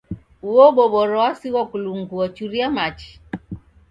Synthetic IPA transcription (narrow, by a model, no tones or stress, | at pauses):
uɔɓɔɓɔɾɔasiwɔkuluŋɡuɔt͡ʃuɾiamat͡ʃi̥